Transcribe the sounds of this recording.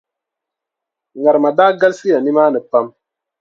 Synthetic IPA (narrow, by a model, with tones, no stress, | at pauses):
ŋa˨ɾma˨daː˦ɡa˦lsi˦ja˨ni˦maː˦nɨ˨pa˦m